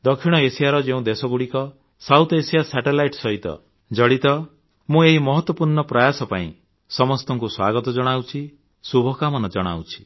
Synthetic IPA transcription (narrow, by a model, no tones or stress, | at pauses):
d̪ɔkʰiɽ̃ɔesijaɾɔd͡ʒeũd̪esɔɡuɽikɔ | sawt̪ʰɔesijasɛʈelajʈsɔɦit̪ɔ̰ | d͡ʒɔɽit̪ɔ | mũeɦimɔɦɔt̪wɔpuɾɳɔpɾajasɔpaḭ̃ | sɔmɔst̪ɔŋkuswaɡɔt̪ɔd͡ʒɔɽ̃awt͡ʃʰi | subʱɔkamɔnɔd͡ʒɔɽ̃a̰wt͡ʃʰi̥